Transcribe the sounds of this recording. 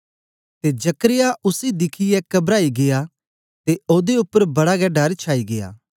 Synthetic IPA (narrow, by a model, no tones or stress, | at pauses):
t̪ed͡ʒɐkəɾɪjaʔʊsid̪ɪkʰɪjɛkɐbɾaːiɡeja | t̪eoːd̪eʊpːəɾbɐɽaɡɛɖɐɾt͡ʃʰaːiɡeja̰ː